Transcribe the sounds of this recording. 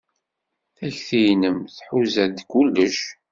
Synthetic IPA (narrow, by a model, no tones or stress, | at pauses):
θæçθijnəmθħuzæðd̪kulːəʃ